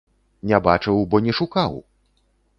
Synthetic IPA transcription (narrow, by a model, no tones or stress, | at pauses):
nʲabat͡ʂɨwbɔnʲɛʂukaw